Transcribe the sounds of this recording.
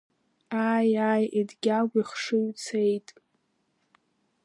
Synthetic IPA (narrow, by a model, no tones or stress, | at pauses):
aːjajidɡʲaɡʷiχʂɨɥt͡sʰejtʼ